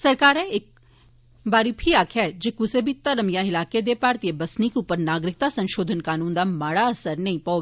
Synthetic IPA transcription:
sɐɾkaːɾɛɪk̚ | baːɾipʰiaːkʰɦɛd͡ʒɪkʊsebʱit̪ɐləmijãɪlaːked̪epaːɾt̪iebɐsnikeuːpəɾnaːɡɾɪk̚t̪asɐ̃nʃoːd̪ʱənkaːnũːnd̪amaːɽaɐsəɾnɐĩpɐoːɡ

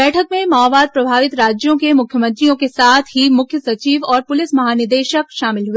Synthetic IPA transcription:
ɛːʈʰəkmẽmaːʋaːd̪̚pɾɐbʱaːʋɪt̪ɾaːd͡ʒjõkemʊkʰjəmə̃nt̪ɾijõkesaːt̪ʰɦimʊkʰjəsɐt͡ʃiːʋɔːɾpʊlɪsmɐɦaːnɪɾd̪eːʃəkʃaːmɪlɦue

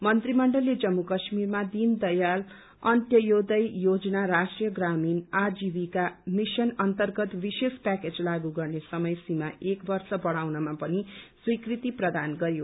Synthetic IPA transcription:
mʌnt̪rimʌɳɖʌlːed͡zʌmːukʌsmirmad̪ind̪ʌjal | ʌnt̪jʌjod̪ʌjjod͡zʌnaɾasʈrijʌɡraminad͡zibikamisʌnʌnt̪ʌrɡʌt̪bisespaked͡zlaɡuɡʌrnesʌmʌjsimaʔekbʌrsʌbʌɽawnʌmapʌniswikrit̪iprʌd̪anɡʌɾjo

